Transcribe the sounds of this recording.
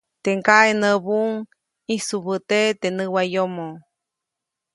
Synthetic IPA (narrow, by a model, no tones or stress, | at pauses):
t̪eŋkaʔenəβuŋ | isuβət̪et̪enɨwajomo